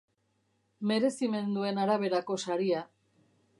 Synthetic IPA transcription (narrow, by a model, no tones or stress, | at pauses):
me̞ɾe̞sime̞nd̪ue̞naɾaβ̞e̞ɾako̞saɾia